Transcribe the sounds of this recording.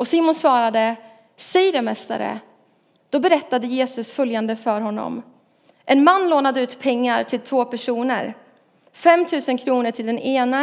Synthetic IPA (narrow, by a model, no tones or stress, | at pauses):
ɔsiːmʊnsvɑːɾad̪ə | sɛjɾɛmɛst̪a̰ɾə̰ | d̪̥ɔbɛɾɛt̪ːad̪əjeːsɵsfœljand̪əfœːɾɦɔnːɔ̰m | ʔɛnmanːloːnad̪əʉ̟ːt̪pʰɛŋːaɾʈʰɪlt̪ʰvoːpʰæʂuːnə̰ɾ | fɛmt̪ʰʉ̟ːsənkʰɾuːnəʈʰɪld̪ɛneːna